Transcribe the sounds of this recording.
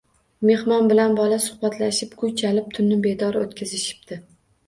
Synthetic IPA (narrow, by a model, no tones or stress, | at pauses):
me̞hmɒnbɪlanbɒlasʊ̥hbat̪ʰlaʃɪpkʰʊjt͡ʃʰalɪp̚t̪ʰʊnːɪbe̞d̪ɒɾot̪kʲʰazɪʃɪ̥p̚d̪̥ɪ